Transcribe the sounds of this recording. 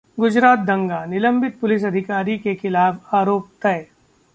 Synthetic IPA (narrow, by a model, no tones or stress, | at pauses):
ɡʊd͡ʒɾaːt̪̚d̪ʱɐ̃ŋɡaːnɪlə̃mbɪt̪̚pʊlɪs̬ɐd̪ʱɪkaːɾikexɪlaːfaːɾoːp̚t̪ɐe